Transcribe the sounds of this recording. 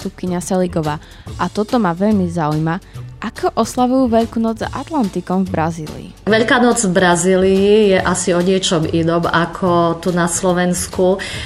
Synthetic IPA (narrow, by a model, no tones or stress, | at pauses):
t̪up̚kiɲasɛliɡɔʋaː | ʔat̪ɔt̪ɔmaʋɛʎmizaujmaʔakʰɔʔɔslaʋujuːʋɛʎkuːnɔd͡za̰t̪lant̪ikɔmvbɾazḭːlḭḭʋɛʎkaːnɔd͡zvbɾaziːliijɛʔasiɔɲɪɛt͡ʃɔminɔːmakʰɔt̪unaslɔʋɛnsku